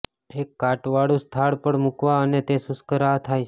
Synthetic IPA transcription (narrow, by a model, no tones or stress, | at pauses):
ekːaʈʋaɽũst̪ʰaɭpəɽmukʋaənet̪esʊskəɾat̪ʰajt͡ʃʰ